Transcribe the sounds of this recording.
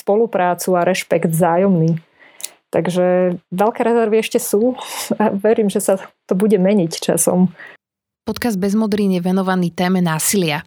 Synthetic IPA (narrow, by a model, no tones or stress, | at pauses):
spɔlupɾaːt͡suaɾɛʃpɛɡd̪zaːjɔmniː | t̪aɡʒɛʋɛʎkɛːɾɛzɛɾʋiɛʃcɛsuːaʋɛɾiːmʒɛsat̪ɔbuɟɛmɛɲict͡ʃa̰sɔ̰m | pɔt̪kazd̪̚bɛzmɔd̪ɾiːnjɛʋɛnɔʋaniːt̪ɛːmɛnaːsilɪa